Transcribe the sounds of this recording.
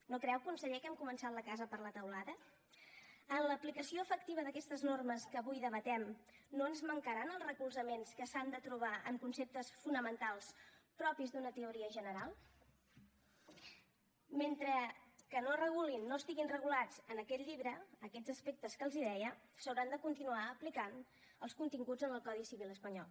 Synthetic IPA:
nokɾɛwkunsəʎekɛmkumənsat̪ləkazəpəɾlət̪əwlaðə | ənləplikəsioəfək̚t̪iβəðəkɛst̪əznorməskəːβujðəβ̞ət̪ɛmnoənzməŋkəɾanəlˠzrəkulˠzəmenskəsand̪ət̪ɾuβaʔəmkunsep̚t̪əsfunəmənt̪alˠspɾɔpizd̪unət̪əuɾiəʒənəɾalˠ | ment̪ɾəkənorəɣulinːoəst̪iɣinrəɣulad͡zənəkɛt̪ʎiβɾəːkɛd͡zəspek̚t̪əskəlˠziðɛjə | səwɾand̪əkunt̪inuaəplikan | əlˠskunt̪iŋɡud͡zənəlˠkɔðisiβilˠəspəɲɔlˠ

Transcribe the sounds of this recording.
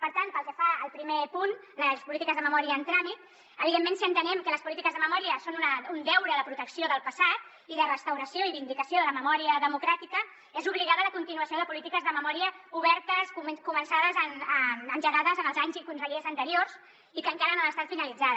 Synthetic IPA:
pəɾt̪ant̪pəlˠkəfaəlˠpɾimepun | ləspulit̪ikəzðəməmɔɾiəːnt̪ɾamit̪̚ | əβiðemːensiənt̪ənɛmkələspulit̪ikəzðəməmɔɾiəsonunəund̪ɛwɾəðəpɾut̪əksioðəlˠpəsat̪̚ | iðərəst̪əwɾəsioiβind̪ikəsioðələməmɔɾiəðəmukɾat̪ikə | ezuβliɣaðələkunt̪inuəsjoðəpulit̪ikəzðəməmɔɾiəuβɛɾt̪əskukumənsaðəzənənʒəɣaðəzənəlˠzaɲzikunsəʎezənt̪əɾiorz | ikəŋkaɾənoəst̪at̪finəlid͡zaðə

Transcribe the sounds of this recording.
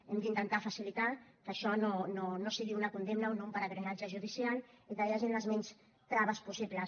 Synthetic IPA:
emd̪int̪ənt̪afasilit̪akəːʃɔnononosiɣiunakund̪emnaonoumpəɾaɣɾeɣad͡ʒəʒuð̞isialˠikəjaʒinləzmɛɲs | t̪ɾaβəspusiβləs

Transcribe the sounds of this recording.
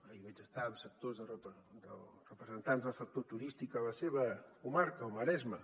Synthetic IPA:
əiβɛt͡ʃəst̪aəmsək̚t̪ozðərəpd̪ərəpɾəzənt̪anzðəlˠsək̚t̪ot̪uɾist̪ikələseβəkumaɾkəoməɾɛzmə

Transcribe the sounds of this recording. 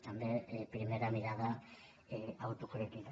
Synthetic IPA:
t̪and̪epɾimeɾamiɾaða | awt̪ukuɾekin

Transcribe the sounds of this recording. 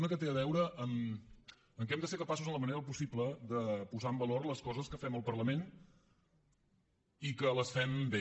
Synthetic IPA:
nəkət̪eəβɛwɾəʔəm | əŋk̬ɛmd̪əseɾkəpasuzənləməneɾəp̬usipləðəpuzaəmbəlorləskɔzəskəfɛməlˠpərləmen | ikələsfɛmbe

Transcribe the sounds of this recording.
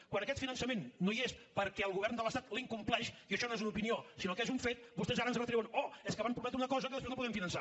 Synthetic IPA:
kwanəkɛt̪finənsəmenːoiespəɾkɛəlˠɣuβɛrnd̪ələst̪at̪liŋkumplɛʃiəʃɔnoezunupiniosinokɛzuɱfet̪̚bust̪ɛzaɾənzənot̪ɾɛwənoɛskəβampɾumɛt̪ɾunəkɔzəkiləspeznopuðɛmfinənsa

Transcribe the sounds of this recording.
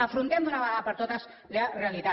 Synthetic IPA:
əfɾunt̪ɛmd̪unaβaaðəpəɾt̪ot̪əs | ləreəlit̪a

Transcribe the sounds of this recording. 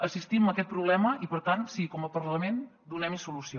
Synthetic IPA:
əsist̪iməkɛt̪̚pɾuβlɛməʔipəɾt̪ansikɔməpəɾləmen | d̪unɛmisulusio

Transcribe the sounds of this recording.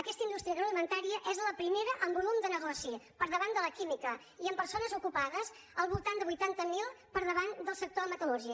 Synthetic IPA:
əkɛst̪əind̪ust̪ɾiəɣɾəwlimənt̪aɾiəʔɛzləpɾimeɾəʔəmbulumd̪ənəɣɔsipəɾðəβand̪ələkimikə | iəmpəɾsonəzukupaðəs | əlˠβulˠt̪and̪əβujt̪ant̪əmilˠ | pəɾðəβand̪əlˠsək̚t̪oðəmət̪əluʒiə

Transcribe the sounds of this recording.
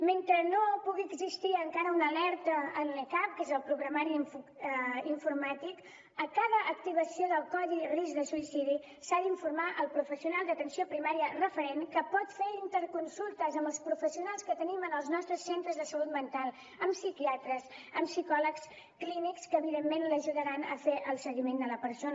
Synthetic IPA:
ment̪ɾənopuɣiəɡzist̪iəŋkaɾəunəlɛɾt̪əːnləkap̚kezəlˠpɾuɣɾəmaɾifuiɱfuɾmat̪ik | əkaðəʔːk̚t̪iβ̞əsioðəlˠkɔðirizðəsuisiði | saðiɱfuɾmaʔəlˠpɾufəsiunalˠd̪ət̪ənsiopɾimaɾiərəfəɾenkəpɔt̪feɾint̪əɾkunsulˠt̪əzəmbəlˠspɾufəsiunalˠskət̪ənimənəlˠznɔst̪ɾəsːent̪ɾəzðəsəlut̪mənt̪alˠ | əmsikiat̪ɾəsəmsikɔləks | klinikskəːβiðemːenləʒuðəɾanə̰feʔəlˠsəɣimend̪ələpəɾson

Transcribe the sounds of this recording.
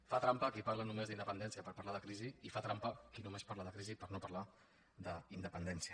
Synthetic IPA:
fat̪ɾampəkipaɾlənumezd̪ind̪əpənd̪ɛnsiəpəɾpəɾlaðəkɾiziifat̪ɾampəkinumespaɾləðəkɾizipəɾnopərla | d̪əind̪əpənd̪ɛnsiə

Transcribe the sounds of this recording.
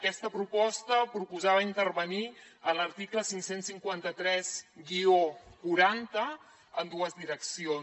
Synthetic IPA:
əkɛst̪əpɾupɔst̪əpɾupuzaβəint̪ərβəniələɾt̪ikləsiŋksensiŋkwant̪ət̪ɾɛzɡiokuɾant̪ə | ənd̪uəzd̪iɾəksion

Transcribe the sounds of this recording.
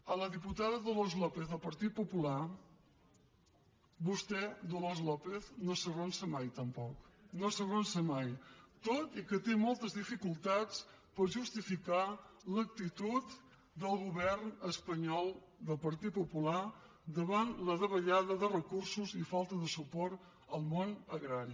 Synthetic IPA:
ələðiput̪aðəðolozlɔpeθðəlˠpəɾt̪it̪̚pupula | bust̪ɛd̪ulɔzlɔpeθnosəɣonsəmajt̪əmpɔknosəɣonsəmajt̪ot̪ikət̪emɔlˠt̪əzðifikulˠt̪at͡s | pəɾʒust̪ifikalək̚t̪it̪ut̪ | d̪əlˠɣuβɛɾnəspəɲɔlˠ | d̪əlˠpəɾt̪it̪̚pupula | d̪əβanləðəβəʎaðəðərəkuɾsuzifalˠt̪əðəsupɔɾt̪ | əlˠmonəɣɾaɾi

